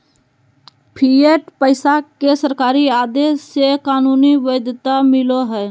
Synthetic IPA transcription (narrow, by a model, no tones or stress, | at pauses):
pʰieʈpəɪsakesəɾkaːɾiaːd̪esːekaːnuːniʋəd̪t̪amɪloɦɛː